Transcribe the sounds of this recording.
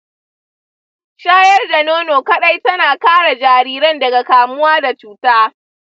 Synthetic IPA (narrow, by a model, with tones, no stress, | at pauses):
ʃaː˦jɐ˦rda˨noː˦noː˨kɐ˦ɗɐ˦jtɐ˦naː˨kaː˦ɽa˨d͡ʒaː˨ɾiː˦ɾɐ˦ndɐ˨ɡa˨kaː˨mʊ˦waː˦da˨t͡ʃuː˦taː˦